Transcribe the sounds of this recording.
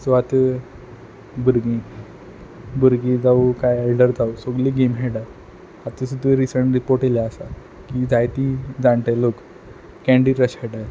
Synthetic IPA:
sʋat̪ | buɾɡĩ | bəɾɡĩd͡zaukajelɖəɾd͡zausoɡliːɡemɦeɽa | at̪əs̬ud̪əɾisəɳʈɾipoɾʈeljaəsa | kid͡zajt̪id͡zãɳʈelok | kɛ̃ɳɖiːɾəɕaɽa

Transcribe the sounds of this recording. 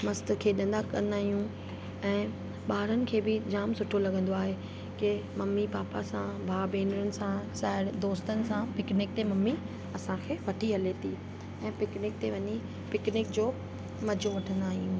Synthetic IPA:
mɐst̪̆kʰeːɗɐ̃n̆d̪akɐ̃nd̪aːɦijũ | ɛ̃ː | ɓaːɾənɪ̆kʰeːbɪd͡ʑaːmsʊʈʰolɐɡə̃nd̪oaːɦe | kɪmɐmːipaːpa̰sãbʱaːbeːnɾʊnɪ̆sãsaːɦɪɽd̪oːst̪ənɪ̆sãpɪknɪk̚t̪emɐmːi | ɐsãkʰeːʋɐʈʰiɦɐlet̪ʰi | ɛ̃ːpɪknɪk̚t̪eʋɐɲi | pɪknɪkd͡ʑoː | mɐd͡ʑʱoʋɐʈʰə̃nd̪aːɦijũ

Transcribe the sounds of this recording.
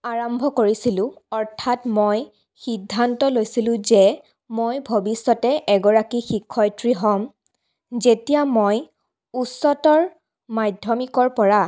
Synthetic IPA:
aɹɔmbʱɔkoɹisilʊ̃ɔɹtʰatmoj | xidʱːantɔlojsilʊ̃zɛ | mojbʱobisːɔtɛʔɛɡɔɹakixikʰːɔjtɹiɦɔm | zetijamoj | usɔtɔɹ | majdʱjɔmikɔɹpɔɹa

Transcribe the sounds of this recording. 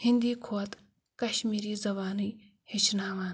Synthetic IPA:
hind̪iːkʰoɐt̪ | kɐʃmiːɾiːzɐβaːnɨj | hit͡ʃʰnaːʋaːn

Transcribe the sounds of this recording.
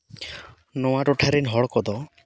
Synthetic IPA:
nɔwaʈɔʈʰaɾenɦɔɭɔkɔd̪ɔ

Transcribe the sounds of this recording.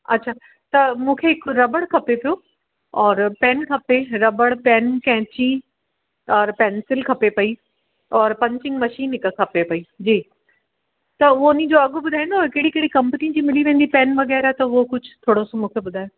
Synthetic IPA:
ɐ̰tːʃʰaː | t̪ɐmũːkʰeɪkɾɐbəɽkʰɐpepijoː | ɔːɾpɛːnkʰɐpeɾɐbəɽpɛːnkɛ̃ːt͡ɕi | ɔːɾpɛːnsɪlkʰɐpepɐi | ɔːɾpɐ̃ɲt͡ɕɪ̃ŋɡmɐʃiːnɪkkʰɐpepɐiːd͡ʑiː | t̪ɐʋonĩd͡ʑoɐɡʊbʊd̪ʱaːjnaoːkeːɽikeːɽikɐ̃mpnĩd͡ʑiːmɪliʋẽːn̆d̪ipɛːnʋɐɡɛːɾat̪ɐʋokʊd͡ʒʰt̪ʰoːɽosõmũːkʰebʊd̪ʱaːjo

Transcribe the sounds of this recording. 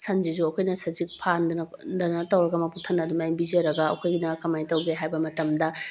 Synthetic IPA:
sɐnd͡ʒizuɐkʰojnɐsɐzik̚pʰandndɐnɐtɐwɾɐɡɐmɐpʰuk̚tʰɐnɐdumajbizɐɾɐɡɐɐ̰kʰojɡinɐkɐmajtɐwɡeɦajbɐmɐtɐmdɐ

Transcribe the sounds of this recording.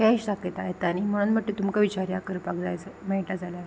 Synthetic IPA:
kɛɕsaket̪aɦet̪aɽ̃im̤əɽ̃nm̤əʈt̪et̪umkaʋit͡ɕaɾjakəɾpakd͡zajt͡sməiʈad͡zala

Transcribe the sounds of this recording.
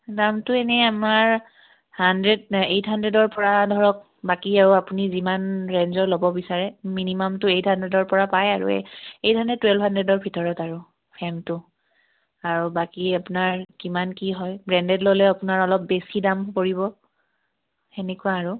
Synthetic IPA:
damtʊenɛamaɹ | handɹɛdejtʰɦandɹɛdɔɹpɔɹadʱɔɹɔk̚ | bakiaɹuapunizimanɹenzɔɹlobɔbisaɹɛminimɔmtʊejthandɛdɔɹpɔɹapajaɹṵejtʰandɛtːwɛlbʱɦandɹɛdɔɹbʱitɔɹɔtaɹu | pʰɛmtʊ | aɹubakiapunaɹkimankiɦɔjbɹɛndɛdlolɛapunaɹɔlɔp̚besidampoɹibɔ | enɛkuwaːɹu

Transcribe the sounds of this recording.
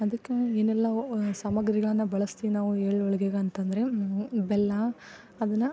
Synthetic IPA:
ɐd̪ɐkːeeːnɛlːɐsɐmɐɡɐɾiɡɐɭɐnːɐbɐɭɐst̪inaːʋueːɭɔɭɐɡeɡɐɐnt̪ɐnd̪ɐɾebɛlːɐ | ɐd̪ɐnːɐ

